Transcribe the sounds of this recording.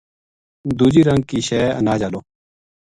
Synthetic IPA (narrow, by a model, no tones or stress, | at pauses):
d̪uːd͡ʒiːɾəŋɡ̚kiːʃeːə̰naːd͡ʒaːloː